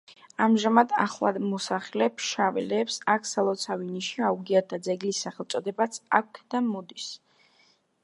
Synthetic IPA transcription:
amʒamad̪a̰χlˠa̰d̪mɔsaχɛlɛpʃavɛlɛːpsakʰsalˠɔt̪sʰaviniʃiauɡiat̪̚d̪ad̪zɛɡlisːaχɛlˠt̪sʼɔd̪ɛbat̪sʰak̚ʰkʰd̪amɔd̪is

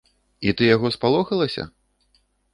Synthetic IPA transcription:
it̪ɨjaɣɔspalˠɔxɐlˠɐsʲɐ̰

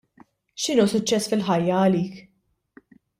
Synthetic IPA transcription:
ʃɪnuːsʊt͡ʃːɛsːfɪlħɐjːɐːliːk

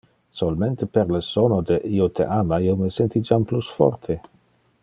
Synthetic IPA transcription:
solmẽnt̪epeɾləsonod̪eʔiot̪ʰḛʔamaiowməsɛnt̪id͡ʒamplusfɔ̰rt̪ʰe

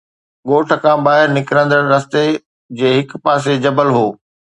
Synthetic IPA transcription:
ɠoːʈʰə̆kʰãɓaːɦɪɾnɪkɾə̃nd̪əɽɾɐst̪e | d͡ʑeːɦɪkpaːs̬ed͡ʑɐbəlɦoː

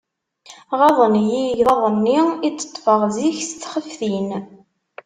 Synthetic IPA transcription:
ʁɑðˤənjiʝðˤɑðˤənːiit͡sːə̥t̪ˤːfəʁziçst̪χəfθin

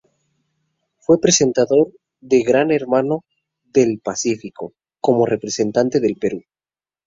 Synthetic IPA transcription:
fwe̞pɾese̞nt̪aðo̞ɾ | ðe̞ɣɾane̞ɾmano̞ | ðe̞lpasifiko̞ | ko̞more̞pɾe̞se̞nt̪ant̪e̞ðe̞lpe̞ɾu

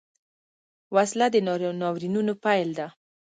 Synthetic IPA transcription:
waslad̪ənnɑwɾinunopajld̪a

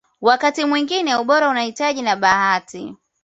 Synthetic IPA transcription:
wakatimwiŋɡinɛuɓɔɾaunahitaʄinaɓahati

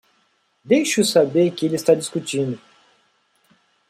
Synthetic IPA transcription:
d̪ejʃʊsabeɾkɪelɪst̪ad͡ʒiskut͡ʃĩnd̪ʊ

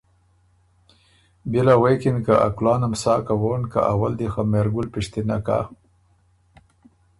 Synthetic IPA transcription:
bilawekinkaʔa̰klɑːnamsɑːkawonka̰ʔawald̪ixameɾɡʊlpiʂt̪inaka̰

